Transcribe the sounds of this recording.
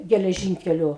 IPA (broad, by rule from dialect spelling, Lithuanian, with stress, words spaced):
ɡʲɛlʲɛˈʒʲiːŋʲkʲɛlʲʊ